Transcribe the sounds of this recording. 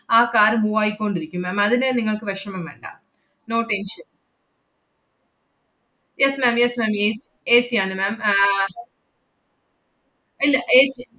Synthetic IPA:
aːkaːɾmuʋaːjikʲːoɳɖiɾikʲːumːaːmɐðinɨniŋːɐɭkɨʋɐʂrɐmɐmʋɐ̰ɳɖa̰ː | noːʈenʃɐn | jesmæːmjesmæːmjeːs | eːsijaːnɨmæːm | ilːɐʔeːsi

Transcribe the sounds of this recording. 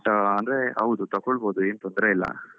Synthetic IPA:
ʈɐnd̪ɾeɐʋd̪ut̪ɐkːoɭboːd̪ueːnt̪ond̪ɾeilːɐ̰

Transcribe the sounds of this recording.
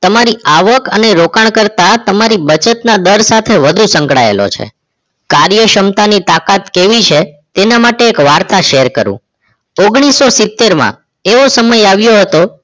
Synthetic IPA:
t̪əmaɾiaʋəkəneɾokaɳkəɾt̪at̪əmaɾibət͡ʃət̪nad̪əɾsat̪ʰeʋəd̪ʱũsə̃ŋkɽa̰ḛlo̰t͡ʃʰḛ | kaɾjəʃəmt̪anit̪akat̪keʋit͡ʃʰe | t̪enamaʈeːkʋaɾt̪aʃeɾkəɾṵ̃ | oɡɽ̃isːosɪt̪ːeɾmã̰ | eʋosəməjaʋjoɦət̪o

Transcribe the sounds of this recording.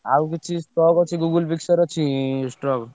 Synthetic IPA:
awkit͡ʃʰisʈɾɔɡɔt͡ʃʰiɡuɡulpiksəɾɔt͡ʃʰisʈɔk

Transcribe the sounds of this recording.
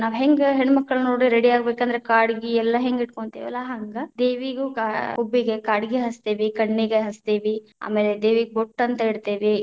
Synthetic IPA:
naːʋɦeŋɡɦeɳmɐkːɐɭnoːɽiɾeɽiaːɡbeːkɐnd̪ɐɾekaːɽɡiɛlːɐɦeŋɡiʈ̚koɳt̪eːʋɐlːaɦɐŋɡɐd̪eːʋiɡukaobːiɡekaːɽiɡiɦɐst̪eːʋikɐɳːiɡeɦɐst̪eːʋia̰ːmeːled̪eːʋiɡeboʈːɐnt̪ɐeɽt̪eːʋi

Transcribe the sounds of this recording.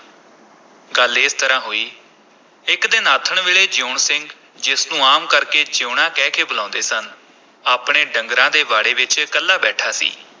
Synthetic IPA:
ɡəlɪst̪əɾãːɦoːiː | ɪkd̪ɪnaːt̪ʰəɳʋeːɭeːd͡ʒoːɳsɪŋɡ | d͡ʒɪsnũːaːmkəɾkeːd͡ʒoːɳãːkɛːkʰeːbəlãːʊ̃nd̪eːsən | aːpɽeːɖəŋɡɾãːd̪eːʋaːɽeːʋɪt͡ʃkəlːaːbɛːʈʰaːsḭː

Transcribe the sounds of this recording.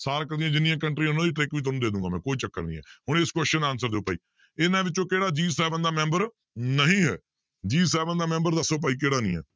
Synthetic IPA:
saːɾkəɾd̪ijãːd͡ʒɪnːĩːãːkəɳʈɾĩnãːd͡ʒiːʈɾɪkʋiːt̪oːnũːd̪eːd̪ũːŋɡaːmɛ̃ːkoːiːt͡ʃəkːə̰ɾnḭ̃ːɛ̰ːhʊɳ̃ɪskwɛst͡ʃənaːnsəɾd̪eːʊpːaːḭː | ɪnãːʋɪt͡ʃõːkeːɽaːd͡ʒiːsɛːʋənd̪aːmɛ̃ːmbəɾ | nəɦĩːɦɛ̰ː | d͡ʒiːsɛːbənd̪aːmɛ̃ːmbəɾd̪əsːoːp̬aːiːk̬eːɽaːnḭ̃ːɛ̰ː

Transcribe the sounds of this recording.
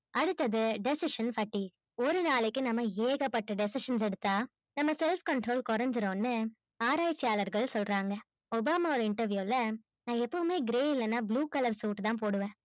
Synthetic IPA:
ɐɽɯt̪ːɐðɯɖɪsɪʂɐnfɐʈːi | ɔɾɯnaːɭɪkːɯnɐmːɐeːɣɐpːɐʈːɯɖɛsɪʂɐns̬ɛɽɯt̪ːaː | nɐmːɐsɛlfkɐɳʈɾoːlkɔɾɐɲd͡ʒɪɾõːnːɯ | aːɾaːjɪt͡ʃːɪjaːlɐɾɡɐɭsɔlɾaːŋɡɐ | ɔbaːmaːɔɾɯɪɳʈɐɾʋjuːlɐ | nãːɛpːɐʋɯmeːɡɪɾeːɪlːɐnːaːbluːkɐlɐɾsuːʈt̪ãːp̬oːɽɯʋẽː

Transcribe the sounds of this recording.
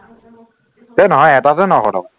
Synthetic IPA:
tɛnɔɦɔjɛtazɛnɔɦɔdɔw

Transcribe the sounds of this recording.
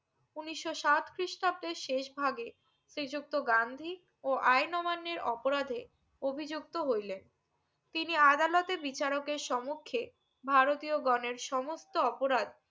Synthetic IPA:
uniʃːoʃat̪kɾiʃʈab̚d̪eɾʃeʃbʱaɡe | sɾid͡ʑuk̚t̪oɡand̪ʱi | oʔajnɔmanːeɾɔpoɾad̪ʱe | obʱid͡ʑuk̚t̪oɦojlen | t̪iniad̪alɔt̪ebit͡ɕaɾokeɾʃɔmokʰːe | bʱaɾot̪ioɡɔneɾʃɔmost̪oɔpoɾad̪

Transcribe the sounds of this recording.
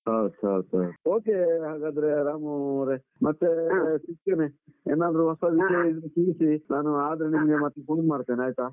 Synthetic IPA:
ɦowd̪sɐwd̪aoːkeɦaːɡaːd̪ɐɾeɾaːmɐɾe | mɐt̪ːesikːɐneeːnaːd̪ɐɾuɦɔsɐʋiʃɐjaid̪ɾukiːɾisinaːnuaːd̪ɐɾenimɐɡemɐt̪ekuɳmaːɽt̪ːeːniaːjt̪aː

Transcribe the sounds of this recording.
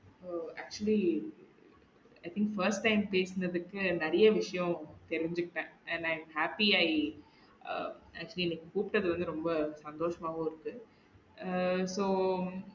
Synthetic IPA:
oaːk̚t͡ʃʊli | ɐɪt̪ʰɪŋkfɐɾsʈːɐɪmpeːsɯnɐðɯkːɯnɛɾɐjɐʋɪʂɐjɔ̃t̪ɛɾɪɲd͡ʒɯkːɪʈːɐ̃ːɛ̃ɳɖɐɪmhaːpiaːi | ɐ̰k̚t͡ʃʊliɪnːɐkːɯpuːpɪʈːɐðɯʋɐnd̪ɯɾɔmbɐsɐnd̪oːʂɐmaːɣɐ̃ɪɾɯkːɯ | soː

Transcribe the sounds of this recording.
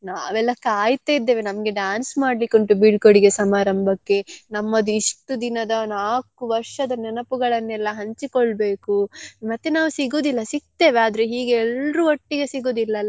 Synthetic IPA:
naːʋɛlːɐkaːjt̪aid̪ːe̞ːʋe̞nɐmɐɡe̞ɖaːnsmaːɖlikːuɳʈubiɖkoɽiɡe̞sɐmaːɾɐmbʱɐkːe̞nɐmːɐd̪uiʂʈud̪inɐd̪ɐnaːkuʋɐɾʂɐd̪ɐnɛnɐpuɡɐɭɐnːɛlːɐɦɐɲt͡ʃikɔɭbe̞ːkumɐt̪ːe̞naːʋusiɡoːd̪ilːɐsik̚t̪e̞ːʋeaːd̪ɐɾeɦiːɡeɛlɾuɐʈːiɡe̞siɡoːd̪ilːɐlː

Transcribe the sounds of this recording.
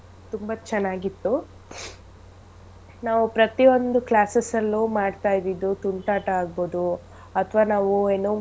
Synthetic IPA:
t̪umbɐt͡ʃɛnːaːɡit̪ːu | naːʋupɾɐt̪io̞nd̪uklaːsesɐlːumaːɖt̪aːjd̪id̪ːut̪uɳʈaːʈɐaːɡ̚boːd̪u | ɐt̪ʰʋaːnaːʋueːnuː

